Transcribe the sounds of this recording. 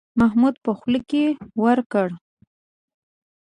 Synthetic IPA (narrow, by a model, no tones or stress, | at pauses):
maɦmud̪pəxləkewəɾkəɽ